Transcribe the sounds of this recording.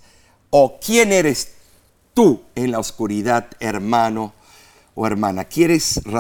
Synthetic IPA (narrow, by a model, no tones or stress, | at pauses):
okje̞ne̞ɾes | t̪uenlaoskuɾiðaðeɾmano | oeɾmãnakje̞ɾesra